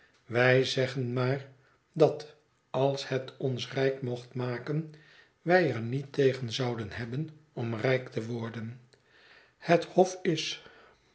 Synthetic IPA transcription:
ʋɛjzɛχənmaːr | dɑt | ɑlˠshɛtɔnsrɛjkmɔχtmaːkən | ʋɛjəɹnitejχənzɑwdənhɛbənɔmrɛjktəʋɔɹdən | həthɔfɪs

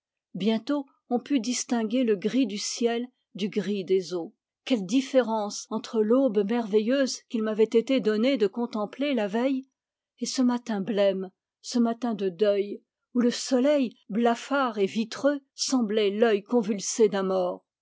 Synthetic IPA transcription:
bjɛ̃t̪o | ɔ̃pyd̪ist̪ɛ̃ɡʲeləɡʁid̪ysjɛl | d̪yɡʁid̪ezo | kʲɛld̪ifeʁɑ̃sɑ̃t̪χəlobmɛʁvɛjøzkʲilmavɛt̪et̪ed̪ɔned̪əkɔ̃t̪ɑ̃plelavɛj | esəmat̪ɛ̃blɛm | səmat̪ɛ̃d̪əd̪œj | uləsɔlɛjblafaʁevit̪χøsɑ̃blɛlœjkɔ̃vylsed̪ãmɔːʁ

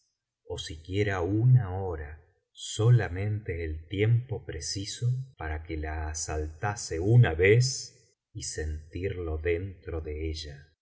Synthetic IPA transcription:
o̞sikje̞ɾaunaoɾa | solamẽ̞nt̪eːlt̪je̞mpo̞pɾesiso̞paɾakelaːsalt̪aseunaβes | ise̞nt̪iɾlo̞ðe̞nt̪ɾo̞ðeeʒa

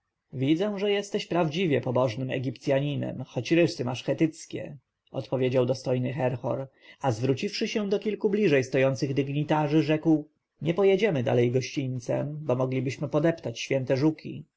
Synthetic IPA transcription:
vʲid̪zɛw̃ʐɛjɛst̪ɛɕpɾavd͡ʑivʲjɛpɔbɔʐnɘmɛ̰ɡʲipt̪sʲjaɲinɛ̰mxɔt͡ɕɾɘʂsɘmaʂxɛt̪ɘt̪skʲɛ̰ | ɔ̰t̪pɔvʲjed͡ʑawd̪ɔst̪ɔjnɘxɛɾxɔ̰ɾ | azvɾut͡ɕifʂɘɕɛ̃d̪ɔkʲilkublʲiʐɛjst̪ɔjɔnt̪sɘɣd̪ɘɡɲit̪aʐɘʐɛkw | ɲɛpɔjɛd͡ʑɛmɘd̪a̰lɛjɡɔɕt͡ɕint̪sɛ̰mbɔmɔɡlʲibɘɕmɘpɔd̪ɛpt̪at͡ɕɕfʲjɛnt̪ɛʐukʲḭ

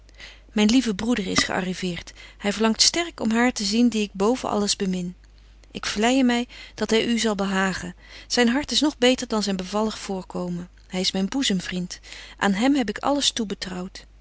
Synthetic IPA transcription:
mɛjnlivəbrudəɹɪsχə̰ʔɑ̰rivɪːɹthɛjvəɹlɑŋtstɛɹkɔmɦaːɹtəzindiɪɡ̚bowvənʔɑ̰ləzbəmɪn | ʔɪkflɛjəmɛjd̥ɑtɦɛjʔyzɑlˠbəɦaːχən | z̥ɛjnɦɑɹtɪsnɔχbejtəɹdɑnzɛjnbəvɑləχfʊːɹkowmə | hɛjɪsmɛjnbuzəmvrintʔa̰ːnɦɛmɦɛb̬ɪkɑ̰ləstubətrɑwt

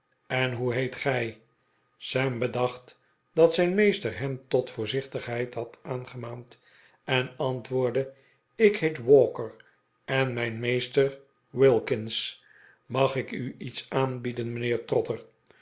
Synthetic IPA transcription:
ɛnɦuɦejtχɛj | sɛmbədɑχt | dɑtsɛjnmejstərɦɛmtɔtfʊːɹzɪχtəχɦɛjthɑtaːnχəmaːnt | ɛnɑntʋʊːɹdə | ɪkhejtwɔːkəɹ | ɛnmɛjnmejstər | wɪlˠkɪns | mɑχɪkyitsaːnbidənmənɪːɹtrɔtər

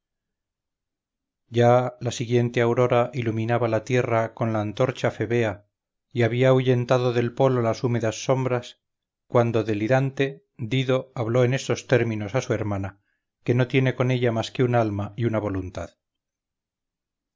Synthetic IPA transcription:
ɟ͡ʝalasiɣje̞nt̪e̞awɾo̞ɾaʔiluminaβalat̪je̞rako̞nlaːnt̪o̞ɾt͡ʃafe̞βe̞a | iaβiauʝe̞nt̪aðo̞ðe̞lpo̞lolasume̞ðasːo̞mbɾas | kwand̪o̞ðe̞liɾant̪e̞ | d̪iðo̞aβlo̞e̞ne̞st̪o̞st̪e̞ɾmĩno̞sasue̞ɾmana | ke̞no̞t̪je̞ne̞ko̞ne̞ʎamaske̞unaalmaiunaβ̞o̞lunt̪að

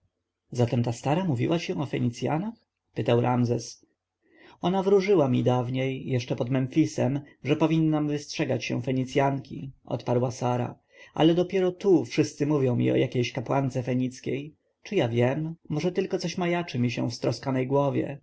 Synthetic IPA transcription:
zat̪ɛmt̪ast̪aɾamuvʲḭwʔaɕɛ̃w̃ɔfɛɲit̪sʲja̰nax | pɘt̪awɾʔamzɛs | ɔnavɾuʐɘwamʲid̪avɲejːɛʂt͡ʂɛpɔd̪mɛnfʲisɛm | ʐɛpɔvʲinːamvɘstʂɛɡat͡ɕɕɛ̰̃fɛɲit̪sʲjaŋkʲḭʔɔ̰t̪paɾwasaɾa̰ | ʔa̰lɛd̪ɔpʲjɛɾɔt̪ufʂɘst̪sɘmuvʲjɔ̃w̃mʲḭɔ̰jakʲejɕkapwant̪sɛfɛɲit̪skʲej | t͡ʂɨjavʲjɛmːɔʐɛt̪ɘlkɔt̪sɔɕmajat͡ʂɨmʲiɕɛ̰̃fst̪ɾɔskanɛjɡwɔvʲjɛ̰

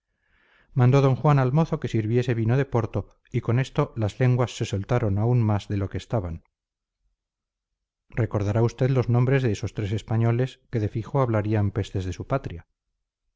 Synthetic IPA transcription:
mãnd̪o̞ðo̞ŋxwanalmo̞θoke̞siɾβje̞se̞βinoð̞e̞po̞ɾt̪o | iko̞ne̞st̪o̞lazle̞ŋɡwasːe̞so̞lt̪aɾo̞naunmazðe̞lo̞keːst̪aβan | re̞ko̞ɾð̞aɾaust̪e̞ðlo̞znõmbɾe̞zðeeso̞st̪ɾe̞se̞spaɲole̞ske̞ðe̞fixo̞aβ̞laɾiampe̞st̪e̞zðe̞supat̪ɾja

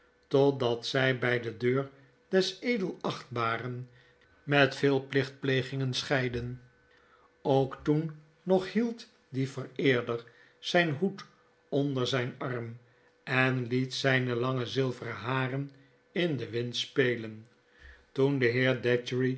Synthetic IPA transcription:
tɔdɑtsɛjbɛjdədøːɹ | dɛsejdəlˠɑχt̚baːrən | mɛtfɪːlˠplɪχt̚plejχɪŋənsχɛjdən | owktunː | ɔχhilˠt | divərɪːɹdər | z̥ɛjnɦut | ɔndəɹzɛjnɑrm | ɛnlitsɛjnəlɑŋəzɪlˠvərəɦaːrən | ɪndəʋɪntspeːjlən | tundəɦɪːɹdɛtɹi

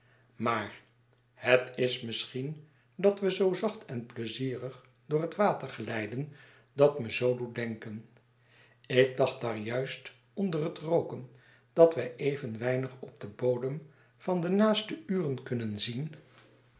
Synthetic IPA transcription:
maːɹ | hətɪsmɪsχin | dɑtʋəzowzɑχtʰɛnpləziːrəχ | dʊːɹətʋaːtəɹχəlɛjdən | dɑtməzowdudɛŋkən | ɪɡ̚dɑχt̚daːɹjœɥst | ɔndərɦətrowkən | d̥ɑtʋɛjʔejvənʋɛjnəχɔb̚dəbowdəm | v̥ɑndənaːstəyːrənkɵnənzin

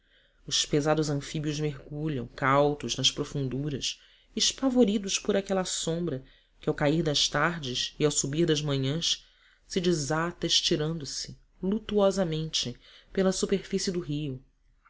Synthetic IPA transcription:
ʊspezad̪ʊzɐ̃fibiʊzmeɦɡuʎɐ̰̃w̃kawt̪ʊznɐʃpɾofũnd̪uɾɐs | ɪʃpavoɾid̪ʊʃpʊɾakɛlɐsõmbɾɐ | kɪawkaiɾd̪ɐʃt̪aɾd͡ʒɪsiawsubihd̪ɐzmɐ̃ɲɐ̃s | sɪd͡ʒizat̪ɐɪʃt͡ʃiɾɐ̃nd̪ʊsɪ | lut̪uɔzɐmẽnt͡ʃɪpelɐsupeɾfisɪd̪ʊɦiʊ

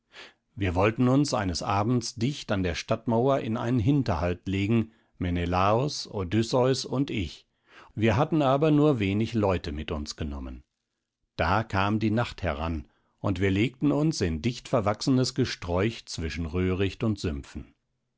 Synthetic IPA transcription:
viːɐvɔltn̩ʊnsʔa̰ɪnəsʔaːbm̩t͡sd̥ɪçtandeːɐʃtatmaʊɐʔɪna̰ɪnənɦɪntɐhaltleːɡŋ̩ | menelaːɔso̰dʏsɔʏsʊntɪç | viːɐɦatn̩aːbɐnuːɐveːnɪçlɔʏtəmɪtʊnsɡ̥ənɔmə̰n | d̥aːkʰaːmdiːnaχthɛʁa̰n | ʔʊntv̥iːɐleːk̚tn̩ʊnsɪndɪçtfɛɐvaksənəsɡ̥əʃtʁ̥ɔʏçt͡sv̥ɪʃn̩ʁøːʁɪçtʊntz̥ʏmfn̩

